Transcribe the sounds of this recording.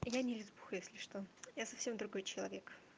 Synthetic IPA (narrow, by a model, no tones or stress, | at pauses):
janʲɪlʲɪzbu̥xjesʲlʲɪʂt̪ojasɐfsʲemd̪ɾʊɡo̞jt͡ɕɪlˠɐvʲek